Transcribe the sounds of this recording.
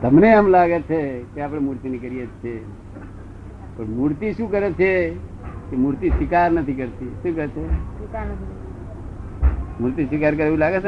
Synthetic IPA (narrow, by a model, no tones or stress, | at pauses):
t̪əmneɦəmlaːɡet͡ʃʰekeaːpɽ̃emuɾt̪inekəɾijet͡ʃʰe | pəɾmuːɾt̪iʃũkəɾet͡ʃʰe | kemuɾt̪isʋɪkaːɾnət̪ʰikəɾt̪iʃũkəɾet͡ʃʰeska | muːɾt̪isɪkaːɾk̬əɾeilaːɡet͡ʃʰ